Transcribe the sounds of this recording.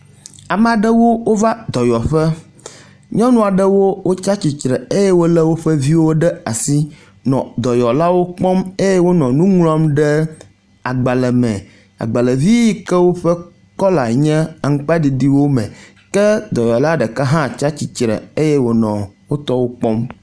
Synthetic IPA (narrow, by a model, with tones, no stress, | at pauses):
a˨m˦a˨ɖɛ˦wo˦wo˦va˦d̪ɔ˨jɔ˨ɸɛ˦ | ɲɔ̃˦nũ˦a˨ɖɛ˦wo˦wʔo˦t͡ʃa˦t͡ɕi˨t͡ʃɾɛ˨e˦je˦wo˦lɛ˦wo˦ɸɛ˦vi˦wo˦ɖɛ˦a˨si˦ | nɔ̰̃˨d̪ɔ˨jɔ˨la˦wo˦k͡pɔ˦me˦je˦wo˦nɔ̃˨nũ˦ŋlɔ̃˦mɖɛ˦ | a˨ɡ͡ba˨lɛ˨mɛ̃˨ | a̰˨ɡ͡ba˨lɛ˨vi˦i˦kɛ˦wo˦ɸɛ˦ | kɔ˦la˨ɲɛ̃˦a˨ŋ̩˦k͡pa˦ɖi˨d̪i˦wo˦mɛ̰̃˨ | kɛ˦d̪ɔ˨jɔ˨la˦ɖɛ˨kɛ˦ɦã˦t͡ʃa˦t͡ɕi˨t͡ʃɾɛ̰˨e˦jɛ˦wo˦nɔ̰̃˨wo˦t̪ɔ˦wo˦k͡pɔ˦m